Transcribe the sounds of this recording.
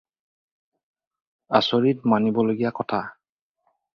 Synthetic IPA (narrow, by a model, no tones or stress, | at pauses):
asoɹitmanibɔloɡijakɔtʰa